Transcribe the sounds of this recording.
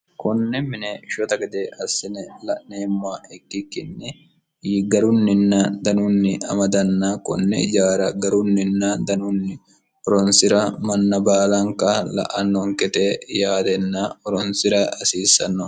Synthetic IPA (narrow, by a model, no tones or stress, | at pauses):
kɔnːɛmɪnɛʃɔt̪ɐɡɛd̪eɐsːɪnɛlɐʔneːmːʊaʔɛkːɪkːɪnːɛ | iɡɐɾʊnːɪnːɐd̪ɐnʊnːɪɐ̰mɐd̪ɐnːɐkɔ̰nːɛ̰d͡ʒaːɾɐɡɐɾʊnːɪnːɐd̪ɐnʊnːɪ | ɔɾɔnsɪɾɐmɐnːɐbaːlɐŋkɐlɐ̰ʔɐnːɔŋkɛt̪ejaːd̪ɛnːɐɔɾɔnsɪɾɐɐsiːsːɐnːɔ